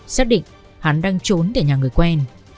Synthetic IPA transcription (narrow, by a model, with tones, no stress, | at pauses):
saː˦˥k̚ɗḭ˧˨ŋ | ha˨˦nɗaː˧ŋt͡ɕo˨˦nt̪eː˧˩ɲaː˨˩ŋɨ˨˩əjkwɛ˧n